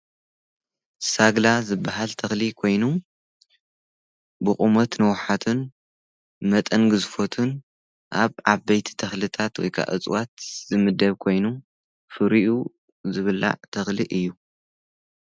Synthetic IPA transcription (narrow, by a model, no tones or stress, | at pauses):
saɡlazɨbːaɦalt̪ʰɐxlikʰo̞jnu | bɨχʼumot̪nɨwħat̪ʰun | mɐt̪ʼɐnɡɨzfo̞t̪ʰun | ʔaβaβbɐjt̪ʰi̥t̪ʰɐxlɨt̪ʰat̪wɔ̰jkʰa̰ʔɨ̰t͡sʼwat̪z̥ɨmɨd̪ɐβkʰo̞jnu | fɨɾiʔu | zɨβɨla̰ʕt̪ʰɐxliʔɨjːu